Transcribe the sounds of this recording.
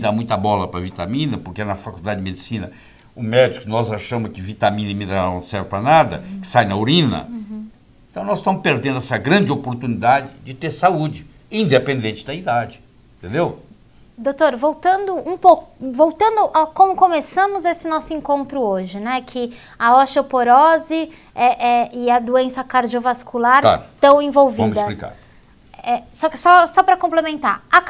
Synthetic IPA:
d̪amũj̃t̪ɐbɔlɐpɾɐvit̪amĩnɐpoɾkeɛnɐfakud̪ad͡ʒɪd͡ʒɪmed͡ʒisĩnɐ | ʊmɛd͡ʒikʊnɔzaʃɐ̃mʊskɪvit̪amĩnɐmĩnɐnɐ̃w̃sɛɾvɪpɾɐnad̪ɐ̰kɪ̥sajnɐoɾĩnɐ̰ | ẽt̪ɐ̃w̃nɔzɪst̪ɐ̃mʊspeɾd̪ẽnd̪ʊɛsɐɡɾɐ̃nd͡ʒɪopoɾt̪unid̪ad͡ʒɪd͡ʒɪt̪eɾsaud͡ʒɪ | ĩd̪epẽnd̪ẽnt͡ʃɪd̪ɐid̪ad͡ʒɪ | ẽt̪ẽnd̪ew | d̪ot̪oɾvowt̪ɐ̃nd̪ʊũpokʊvowt̪ɐ̃nd̪ʊʔawkõmʊkomesɐ̃mʊzesɪnɔsʊẽkõnt̪ɾʊoʒɪnɛkʰɪ | ɐɔʃopoɾɔzɪ | ɛʔɛɪɐd̪uẽsɐkaɾd͡ʒiovaskulaɾa̰ɾt̪ɐ̃w̃ẽvowṽmd̪sɐlika̰ɾ | ɛsɔkɪsɔsɔpɾɐkõplemẽnt̪a̰ɾa

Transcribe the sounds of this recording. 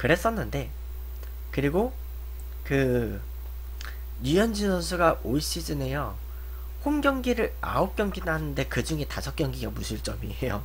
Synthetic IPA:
kɯɾe̞s͈ʌnːɯnde̞ | kɯɾiɡo | kɯ | jujʌnd͡ʑinʌnsʰuɡaʔoiɕ͈id͡ʑine̞jʌ | homɡjʌŋɡiɾɯɭa̰op̚k͈jʌŋɡidaɦanɯnde̞kɯd͡ʑuŋe̞tasʰʌk͈jʌŋɡiɡamusʰɯɭt͡ɕ͈ʌmiejo̰

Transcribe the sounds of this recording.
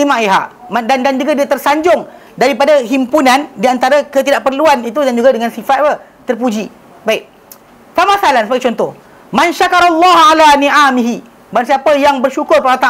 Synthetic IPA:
imãʔiɦaʔmadandand͡ʒuɡadiat̪ərsaɲd͡ʒʊŋ | daɾipadaɦimpunãndiant̪aɾakət̪idaʔpərluanit̪̬udand͡ʒuɡadəŋansifat̪̚pə | t̪ərp̬ud͡ʒi | baɪk̚ | samasalansəbaɡit͡ʃɔnt̪ʊh | manʃakaɾalːɑɦalaniʔamiɦi | bansiapajaŋbərʃukʊrpaat̪a

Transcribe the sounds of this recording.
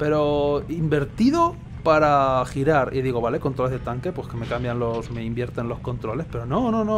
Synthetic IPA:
pe̞ɾo̞imbe̞ɾt̪iðo̞ | paɾaxiɾaɾiðiɣ̞o̞βale̞ko̞nt̪ɾo̞lezðe̞t̪aŋke̞pwe̞ske̞me̞kambjanlo̞sme̞imbje̞ɾt̪e̞nlo̞sko̞nt̪ɾo̞le̞spe̞ɾo̞no̞nono

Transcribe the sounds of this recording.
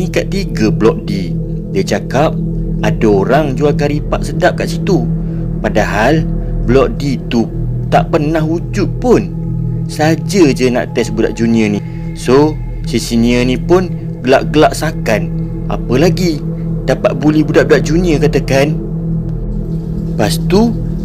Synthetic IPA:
nikaʔt̪iɡablɔk̚di | diət͡ʃakap̚ | adaoɾaŋd͡ʒualkaɾipa̰ʔsədap̚kaʔsit̪u | padaɦalblɔk̚dit̪ut̪aʔpərnaɦud͡ʒʊt̚pʊn | sad͡ʒəd͡ʒəna̰ʔt̪ɛsbuda̰ʔd͡ʒuniəni | so | sisiniənĩpʊn | ɡəlaʔɡəlaʔsakan | ʔa̰pəlaɡi | dapaʔ̚bulɛhbudaʔb̚daʔ̚d͡ʒuniəkat̪əkan | past̪u

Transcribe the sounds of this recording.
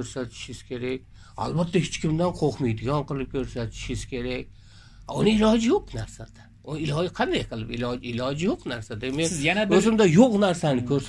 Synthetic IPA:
ɵɾsat̪ʰɪ̥ʃɪz̥kʲʰe̞ɾak̚ʲ | a̰lˠbat̪ʰːahɪt͡ʃkʲɪmd̪anqʰoχmɪjd̪ɪɡʲɒnqɨlˠɪp̚kʲʰɵɾsat̪ʰɪ̥ʃɪz̥kʲe̞ɾak̚ʲ | aʊnɪɪlɒd͡ʒɪjoqnaɾsad̪̥a | ʊnɪlɒɪqʰɑnd̪ajqʰɨlˠɪpɪlɪlɒd͡ʒɪjoqnaɾsad̪emekjnabɵzɪmd̪ajoqnaɾsanɪkʲʰɵɾs

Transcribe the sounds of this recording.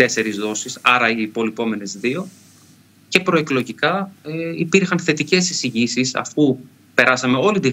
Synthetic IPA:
e̞se̞ɾizðo̞sisɐɾɐiːpo̞lipo̞me̞ne̞zðio̞ | ce̞pɾo̞e̞klo̞ʝikɐipiɾxɐnθe̞t̪ice̞sisiʝisisɐ̰fu | pe̞ɾɐsɐme̞o̞lit̪i

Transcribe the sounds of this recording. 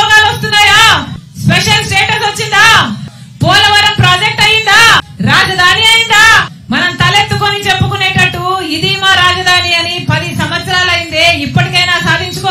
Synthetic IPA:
ɡaːʋɐst̪unːaːjaːspeʂɐlsʈeːʈɐsɐt͡ʃːind̪aː | pɔːlɐʋɐɾɐmpɾaːd͡ʒek̚ʈɐjːind̪aːɾaːd͡ʒɐd̪ʱaːniɐjind̪aː | mɐnɐmt̪ɐlet̪ːuko̞nit͡ʃe̞pːukuneːʈɐʈːuːid̪iːmaːɾaːd͡ʒɐd̪ʱaːniɐnipɐd̪isɐmɐt̪sɐɾaːlɐjind̪eːipːɐʈikɐjnaːsaːd̪ʱiɲt͡ʃukɔː

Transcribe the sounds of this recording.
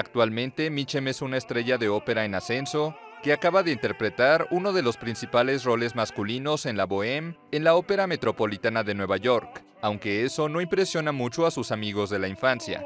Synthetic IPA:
ak̚t̪walmẽ̞nt̪e̞mit͡ʃe̞me̞sunaest̪ɾe̞ʝaðe̞o̞pe̞ɾae̞nase̞nso̞ | ke̞akaβaðe̞int̪e̞ɾpɾe̞t̪aɾuno̞ð̞e̞lo̞spɾinsipale̞z̬ro̞le̞zmaskulino̞se̞nlaβo̞e̞me̞nlao̞pe̞ɾame̞t̪ɾo̞po̞lit̪anaðe̞nwe̞β̞aʝo̞ɾk | awŋke̞e̞so̞no̞impɾe̞sjo̞namut͡ʃo̞asusamiɣ̞o̞zðe̞laiɱfansja̰

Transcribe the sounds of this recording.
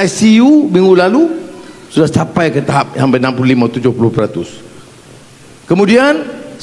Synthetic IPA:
asiumĩŋɡulalusudahsapajkət̪aɦap̚jaŋbənãmpululimãt̪ud͡ʒʊhpulʊhpəɾat̪ʊs | kəmũdian

